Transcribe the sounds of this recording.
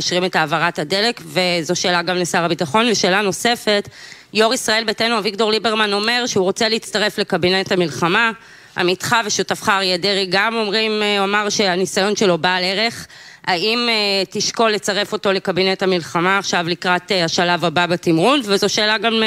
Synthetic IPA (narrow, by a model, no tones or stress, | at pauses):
aʃʁime̞taːvaʁathade̞lekve̞zo̞ʃe̞ːlaɡamlesaʁabitaχo̞nveʃe̞ːlano̞se̞fe̞t | jo̞ʁisʁae̞lbetenuavikto̞ʁlibeʁmano̞me̞ʁʃeuʁot͡seleit͡staʁe̞fle̞kabine̞thamilχama | a̰mitχaveʃutafχaʁjedeʁiɡamo̞mʁimomaʁʃe̞anisajo̞nʃe̞lo̞baːleʁe̞χ | aimetiʃko̞lːet͡saʁe̞fo̞to̞le̞kabine̞thamilχamaːχʃavlikʁataʃalavababatimʁunvezo̞ʃeːlaɡam